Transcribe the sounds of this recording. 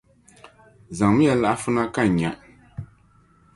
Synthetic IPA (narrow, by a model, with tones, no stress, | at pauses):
za˨ŋm˦jɛ˨la˦˨ʔa˦fʊ˦na˦ka˦˨ɲa˨